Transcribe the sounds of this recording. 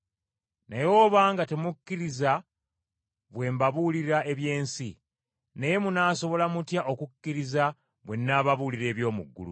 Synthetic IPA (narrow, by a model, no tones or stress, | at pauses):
najo̞ːβaːŋɡate̞mukːiɾiza | βwe̞ːmbaβuliɾaʔe̞βje̞ːnsi | neje̞munaːso̞βo̞lamutjaʔokukːiɾiza | βwe̞nːaːβaβuliɾe̞ːβjo̞ːmṵɡːṵlṵ